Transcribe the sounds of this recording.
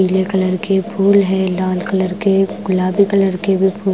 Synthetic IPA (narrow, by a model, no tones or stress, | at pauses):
iːlekɐləɾkepʰuːlɦɛ̃laːlkɐləɾkeɡʊlaːbikɐləɾkebʱipʰuː